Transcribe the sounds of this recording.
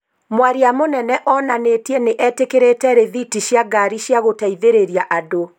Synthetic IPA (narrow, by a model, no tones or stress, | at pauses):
mwaɾiamonɛnɛʔɔːnanetiɛneʔɛtekeɾetɛɾeðitiɕjaɡaɾiɕjaɣotaiðeɾeɾjaʔado